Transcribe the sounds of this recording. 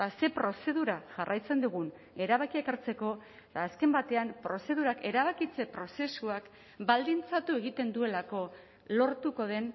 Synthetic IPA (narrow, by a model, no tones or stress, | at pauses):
ase̞pɾo̞se̞ð̞uɾaʝarʔajt͡se̞nd̪uɣun | e̞ɾaβakiekaɾt͡se̞ko̞ | et̪aːske̞mbat̪e̞ampɾo̞se̞ðuɾake̞ɾaβakit͡se̞pɾo̞se̞suak | bald̪int͡sat̪ue̞ɣ̞it̪e̞nd̪ue̞lako̞ | lo̞ɾt̪uko̞ð̞e̞n